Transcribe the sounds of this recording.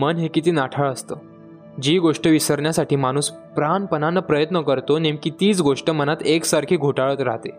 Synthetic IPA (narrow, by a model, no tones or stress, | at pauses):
mənɦekit̪iːnaʈʰəɭəst̪əː | d͡ʑiːɡoʂʈəʋisəɾɳjasaʈiːmañuːs | pɾanpənanːəpɾəjət̪nəkəɾt̪onẽmkiːt̪iːt͡sɡoʂʈəmənat̪eksaɾkʰiːɡʱoʈaɭəːt̪ɾaɦt̪e